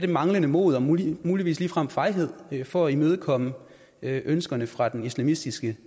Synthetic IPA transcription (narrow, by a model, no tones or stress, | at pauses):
ɾ̥e̝mɑ̈ŋlənəmo̝̰ːð̩ˠɒmmuːliʋḭːsliːfʁɑm̰fɑ̈ɪɦe̝ð̰ˠfɒ̽æimeð̞ˠkʰɒ̽mə | ʔønsɡ̥ɐnəfʁɑ̈d̥enislæmisd̥isɡ̥ə